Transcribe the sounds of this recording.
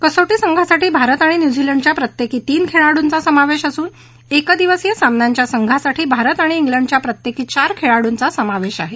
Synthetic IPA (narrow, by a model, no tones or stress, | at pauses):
kəsoʈiːsəŋɡʱasaʈiːbʱaɾət̪aɽ̃injud͡ziləɳɖt͡ɕjapɾət̪jekiːt̪iːnkʰeɭaɽunt͡sasəmaʋeɕəsuːn | ekəd̪iʋəsjəsamnjaɲt͡ɕjasəŋɡʱasaʈʰiːbʱaɾət̪aɽ̃iːŋɡləɳɖt͡ɕjapɾət̪jekiːt͡ɕaɾkʰeɭaɽunt͡sasəmaʋeɕaɦe